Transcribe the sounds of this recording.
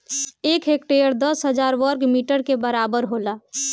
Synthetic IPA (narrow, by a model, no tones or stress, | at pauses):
eːkɦeːk̚ʈejəɾd̪əsɦəd͡ʒaːɾʋəɾkmiːʈəɽkebəɾaːbəɾɦoːlaː